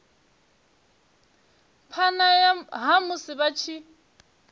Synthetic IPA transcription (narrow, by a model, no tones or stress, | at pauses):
pʰanaɦamʊsɪbat͡ʃʰi